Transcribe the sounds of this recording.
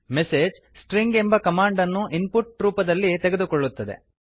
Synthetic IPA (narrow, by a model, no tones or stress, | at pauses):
meseːd͡ʒ | sʈɾiŋɡe̞mbɐkɐmaːɳɖɐnːuʔinpuʈɾuːpɐd̪ɐlːit̪eɡed̪ukoɭːut̪ːɐd̪e̞̰